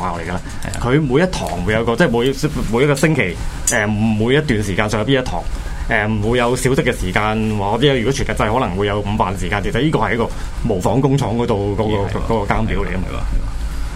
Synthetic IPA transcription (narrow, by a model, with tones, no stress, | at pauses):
aː˨˧˩wle˨˩jkaː˧laː˧ | kʰɵ˨˧ɥmuː˨˧jɐ˥t̚t̪ʰɔː˨˩ŋwu˨˧jɐ˨˧wkɔː˧t͡sɛː˥˩mu˨˧jmu˨˧jɐ˥t̚kɔː˧sɪ˥ŋkʰe˨˩jɛː˨˩˨uː˨˧jɐ˥t̪yː˨nsiː˨˩kaː˧sœː˨ŋjɐ˧piː˥jɐ˥t̪ʰɔ̰ː˨˩ŋ | ʔɛː˨˩wuː˨˧jɐ˨˧wsiː˨˥wsɪ˥kːɛ˧siː˨˩kaː˧nwaː˨˧t̪i˥jjy˨˩kɔ˨˥t͡ʃʰyː˨˩nkɐ˨tt͡sɐ˧jhɔː˨˥lɐ˨˩ŋwu˨˧jɐ˨˧wm̩ː˨˧faː˨˩nsiː˨˩kaː˧nke˨˩sɐ˨˩jiː˥kɔː˧hɐ˨˩jɐ˥kɔː˧mo˨˩wfɔː˨˥ŋkʊ˥ŋt͡ʃʰɔː˨˥ŋkɔ˨˧˥t̪o˨˧wkɔː˨˧˥kɔː˧kɔː˨˧˥kɔː˧kaː˥npiː˨˥wle˨˩jkɐ˥mɐ̰˧